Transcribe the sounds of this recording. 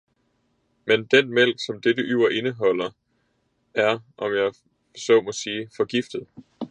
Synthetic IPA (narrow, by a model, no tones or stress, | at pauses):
mend̥enmel̰ɡ̥sɒ̽md̥ed̥əʔyʊ̰ɐʔe̝nəɦɒ̽l̰ɐ | æɐʔɒ̽mjɑ̈ɪ | sɒ̽mɒ̽siːfɒ̽ɡ̥ifd̥ð̩ˠ